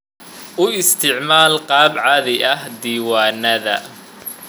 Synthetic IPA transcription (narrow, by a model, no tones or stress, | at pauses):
ʔʊɪst̪ʰɪʕmaːlqɑːbʕaðɪʔɐhd̪iːwaːnɐðɐ